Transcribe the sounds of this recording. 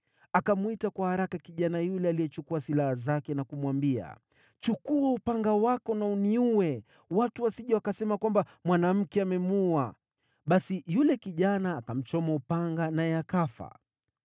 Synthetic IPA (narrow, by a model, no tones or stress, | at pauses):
akamuitakwahaɾakakiʄanajulɛalijɛt͡ʃukuasilahazakɛnakumwambia̰ | t͡ʃukuaupaŋɡawakɔnauniuwɛ | watuwasiʄawakasɛmakwambamwanam̩kɛamɛmua | ɓasijulɛkiʄanaːkam̩t͡ʃɔmaupaŋɡanajɛakafa̰